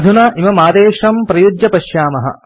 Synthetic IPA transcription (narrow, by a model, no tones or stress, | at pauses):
d̪ʱunɐʔimɐmaːd̪eːʂɐmpɾɐjud͡ʒjɐpɐʃjaːmɐɦɐ̰